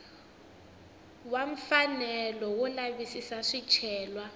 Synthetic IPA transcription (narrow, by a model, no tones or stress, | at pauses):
waɱ̩fanɛlɔwulaβisisaʂit͡ʃʰɛːlwa